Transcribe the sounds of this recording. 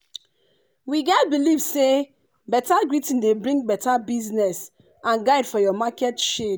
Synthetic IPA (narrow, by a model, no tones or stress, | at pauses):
wiɡɛt̚bilivse | bɛtaɡɹitĩndebɹĩŋ̚bɛtabiznɛs | ãnɡaɪdfɔjɔmakɛtʃed